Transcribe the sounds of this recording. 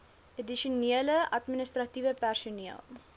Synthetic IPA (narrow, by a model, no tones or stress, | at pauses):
ədiʃuniələʔɐtminəstrɐtivəpærsuniə̰lˠ